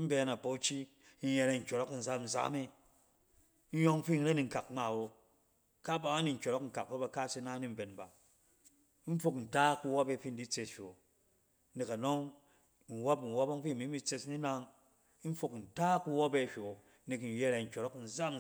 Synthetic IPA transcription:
m̩˦be˦na˨po˦t͡ʃi˦ | n̩˦je˦˧ɾe˨n̩˨kʲo˨ɾɔ˦kn̩˨za˦mn̩˨za̰˦me˦ | n̩˦jo˦ŋ˦ɸi˦˨n̩˦ɾe˦ni˨ŋ̩˨ka˨kŋ͡ma˨wo˨ | ka˦ba˨wa˦ni˨ŋ̩˨˦kʲo˨ɾɔ˦kŋ̩˨ka˨k̚pe˦ba˨˧ka˦si˦na˦ni˦m̩˦be˨nba˨˦ | n̩˦fu˦kn̩˨ta˦ku˧wo˦be˧˨fi˦n̩˨di˦t͡se˨sɸʲo˨ | ni˨ka˨no˦ŋ | n̩˨wo˦pn̩˨wo˦bo˦ŋ˦ɸi˦˨mi˦mi˦t͡se˧sni˦na˦ŋ˦ | n̩˦fu˨kn̩˨ta˦ku˧wo˦be˦˨ɸʲo˨ | ni˨kn̩˨je˦ɾe˨ŋ̩˨kʲo˨ɾɔ˦kn̩˨za˦m

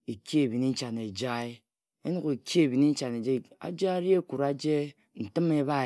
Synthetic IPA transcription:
e˨ki˦e˨bi˨ni˦n̩˦t͡ʃa˨ne˨d͡ʒa˦e˦ | e˦nu˦ke˨ki˦e˨bi˨ni˦n̩˦t͡ʃa˨ne˨d͡ʒe˦a̰˨d͡ʒa˦ɾi˦e˦ku˨ɾa˦d͡ʒe˦ | n̩˨tɨ˦me˦ba˦

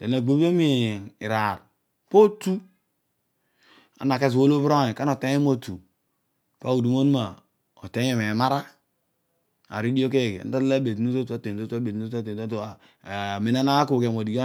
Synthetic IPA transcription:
de˨n˨a˨ɡ͡be˦be˦mi˦˨i˨ɾa˨ɾ | po˦tu˦ | a̰˨na˨ke˦s̬wo˦lo˦βɾo˦e˨ka˦no˨te˦e˦mo˦tu˨ | ka˦u˨du˨mo˦nu˦ma˨ | o˨te˦e˨me˨ma˦ɾa˦ | a̰˨ɾi˦di˦o˦k̬e˦˨ɡḛ˨n̩˦da˦la˦be˨tnu˦to˦ta˦te˨n˨to˦ta˦be˨ta˦te˨o˦to˦a˨ | me˨na˦na˦ku˦˨ke˨mo˨di˨jo˦

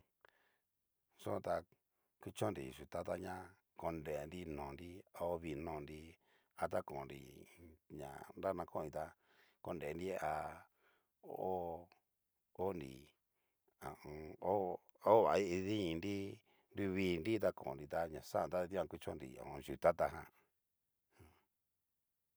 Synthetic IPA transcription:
sõ˦˧t̪a˧ | ki˦t͡ʃõ˦nɾḭ˨ʃu˨t̪a˦t̪a˦ɲã˦ | ko˧nde˨˧nɾi˦nõː˨nɾi˦a˧o˦βi˧nõ˧˨˧nɾi˧ | a˧t̪a˦kõ˨nɾḭ˨ɲã̰˨nɾa˦˧nã˧kõ˦˨˧ĩ˧t̪a˧ | ko˧nde˨˧ndi˦a˧ | o˦o˦ | o˦ndḭ˨ | a˨ʔõ˧o˦ | o˦βa˨˧i˦i˧ðĩ˦˧ndi˦ | ndu˧βiː˧˦˧nɾi˦t̪̬a˦kõ̰˨nɾi˧t̪a˧ɲã˨sa˦˨nt̪a˦˧d̪i˦ã˧kʷi˧t͡ʃõ̰˦nɾḭ˨õ̰˨˧ʒu˨t̪a˦t̪a˧ɦã˧

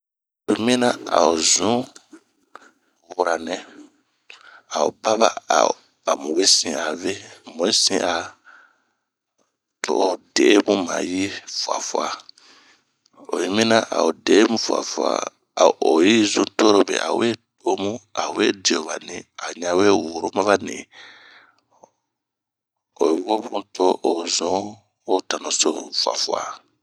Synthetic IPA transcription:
tu˨˦mĩ˦nã˦a̰˨o˨zũ˦ | wwu˨ɾa˨nɛ̃˨ | a˨o˨ba˦βa̰˨a̰˨ | a˨mũ˨we˦sĩ˨a˨ve˦mõ˨i˦sĩ˦ʔa˨ | tʰo˦ʔo˨de˨˦e˦mũ˦mã̰˨ji˦fu˨a̰˨fu˦a˨ | o˨ji˨˦mĩ˦na˦ʔa̰˨o˨de˨˦mũ˦fwa̰˨fu˨a̰˨ | o˨ji˦zũ˨to˦ɾo˦bḛ˨ʔa̰˨we˦to˦mũ˦a˨we˦di˨o˨βa˨nĩ˨a˨ɲã˨˦we˦wo˨ɾo˦mã˦βa˦nḭ̃˨ | o˨ji˨˦bo˦bũ˦to˦ʔo˨zũ˨˦ | o˦ta˨nõ˨so˦fu˨a̰˨fu˨a̰˨

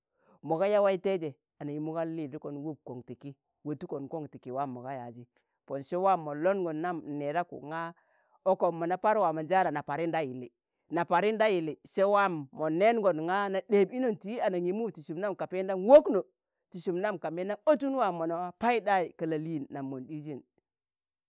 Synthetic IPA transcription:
mo˨ɡa˦ja˦wa˦i˦te˦d͡ʒe˨ | a˨na˨ji˨mu˦ɡa˦lːi˦˨di˦ko˨nwu˦b̚ko˨ŋti˨ki˦ | wo˨tu˦ko˨nko˦ŋti˨ki˨wa˦˨mːo˨ɡa˦ja̰˨d͡ʒi˦ | po˨nʃe˦wa˦mːo˨lo˦nɡo˨nːa˦m˨ne˨ɾa˦kṵ˨ŋa˦ | o˦ko˨mːo˨na˨pa˦ɾwa˨ma˨d͡ʒa˦ɾa˨na˨pa˨ɾi˦nda˦ji˨li˨ | na˨pa˨ɾi˦nda˦ji˨li˨ʃe˦wa˦mːo˨ne˦nɡo˨nŋa˦na˨de˨bi˦no˦˨nti˦a˨na˨ɲi˨mu˦˨ti˨ʃu˨mna˦mka˨pe˦n˦da˦nwo˦kno˨ | ti˨ʃu˨mna˦˨mka˨me˦na˦o˦tu˦n˦wa˨mo˨na˨wa˦pa˦i˦da˦i˨kə˨la˨li˦˨nːa˨mːo˨ndi˦d͡ʒi˦˨n

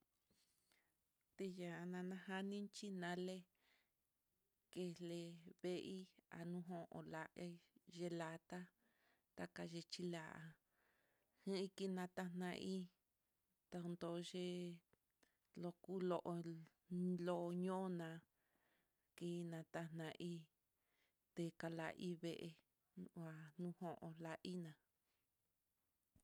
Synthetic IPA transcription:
t̪e˧ja˨˧nã˧nã˧ha˦nĩ˦nt͡ʃi˦nã˧˦le˦ | ke˧le˧βe˧ʔi˦a̰˨nũ˧ɦõ˧ʔõ̰˧˨la˧ʒe˧la˧t̪a˦ | t̪a˧ka˧ʒe˧t͡ʃi˧la˨ʔa̰˧ | hɨ̃˦i˦ki˧nã˧t̪a˧n̥ã˧ʔi˦ | t̪a˧nd̪o˧˨˧ʒe˦ | lo˧ku˦lo˧˨ʔo˧ | lo˦ʔɲõ˦nã˧ | ki˧nã˧t̪a˧n̥nã˧ʔi˦ | t̪e˧ka˧la̰˧ʔi˦βe˧˨ʔe˧ | a˧nũ˦hõ˦ʔõ̰˧la˧ʔi˦nã˨

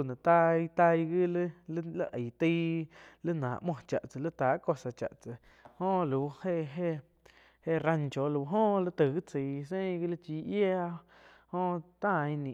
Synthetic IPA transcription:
nã˨t̪a˧i˧t̪a˧jɡi˦llə˦ʔə˨t̪i˧˦lə˦nãː˨ʔmwõ˧˨t͡ʃa̰˨ʔt͡sɨ˨lə˦t̪aː˨˦ko˧sa˨t͡ʃa̰˨ʔt͡sɨ˨ | ho˦˧lu˨he˦˧ʔɦe˦ | he˦˨ɾa˧nt͡ʃo˨lu˧˦ɦo˦˧lə˦t̪ə˨ɣi˦t͡si˨s̬ẽ˦˧ɡi˦lə˦t͡ʃiː˧ʔje˦a˧ | ho˦t̪ã˦˧˨ĩ˧nĩ˨

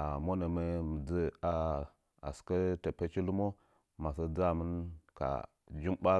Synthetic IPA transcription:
a˨mo˦ne˨me˦mi˨d͡zə˦a˨ | a̰˨skə˦te˨pe˦t͡ʃi˦lu˦mo˦ | ma˨sa˦d͡za˦˨mə˦nka̰˨ | d͡ʒi˦mba˦

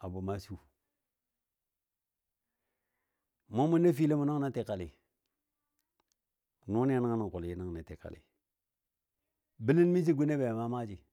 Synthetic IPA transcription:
a˨bu˨ma˦su˦ | mo˦mu˦na˦fi˦le˦mu˨na˦ŋna˦te˨ka˨li˨ | nu˦ni˦a˨na˦ŋ˦na˨ŋ˨ku˨lji˦na˦ŋ˨ni˨ti˨ka̰˨lḭ˨ | bi˦li˦nmi˦s̬i˦ɡu˦ne˦be˨ma˦ma˦d͡ʒi˨

